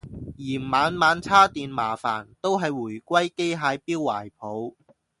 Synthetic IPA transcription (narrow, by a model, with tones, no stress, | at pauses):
jiː˨˩mmaː˨˧nmaː˨˧nt͡sʰaː˥t̪iː˨nmaː˨˩fa̰ː˨˩nt̪o˥wɦɐ˨jwuː˨˩jkʷɐ˥jke˥jɦaː˨˧jpiː˥wːa̰ː˨˩jpʰo˨˧˥w